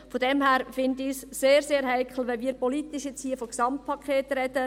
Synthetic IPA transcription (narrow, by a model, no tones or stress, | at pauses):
fodɛmhæːɾfɪnd̪isːeːɾseːɾɦæɪkχl̩ˠʋɛnmiːɾpɔlit̪iʃjɛt͡shiːəfɔksɑmt̚pʰɑkʰχeːt̪rɛd̥ə